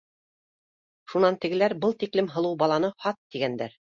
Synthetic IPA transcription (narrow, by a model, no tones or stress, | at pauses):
ʃunɑnt̪ɘ̆ɡɘ̆læɾbɤlˠt̪iklɘmɦɤ̆lˠɤwbɑlˠɑnɤhɑt̪ːiɡænd̪æɾ